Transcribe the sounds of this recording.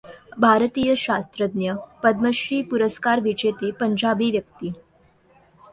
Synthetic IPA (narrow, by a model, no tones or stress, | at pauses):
bʱaɾt̪ijəɕast̪ɾəd̪njəpəd̪məɕɾiːpuɾəskaɾʋid͡ʒet̪epəɲd͡ʑabiːʋjək̚t̪iː